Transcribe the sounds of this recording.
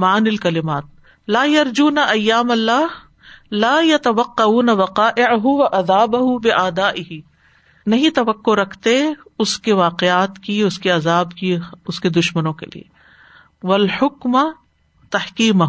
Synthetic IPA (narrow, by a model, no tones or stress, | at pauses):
maːnɪlkɐlɪmaːt̪̚ | laːjɐɾd͡ʒuːnaʔɐjːaːmɐlːaːɦ | laːjɐt̪ɐʋɐqːɐuːnɐʋɐqaːʔɪʕɦʊʋɐʔɐðaːbɐɦʊbɪʔaːd̪aːʔɪɦi | nɐɦĩt̪ɐʋɐqːoɾɐkʰt̪eʊskeʋaːqeaːt̪kiʊskeɐzaːbkiʊsked̪ʊʃmənõkḛlḭḛ | ʋɐlħʊkm | t̪ɐhkiːmɐɦ